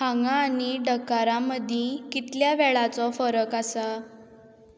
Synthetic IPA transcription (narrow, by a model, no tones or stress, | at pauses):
haŋɡaːñiɖəkːaɾaməd̪ʱjekit̪ljaʋɛɭat͡sɔfəɾəkasa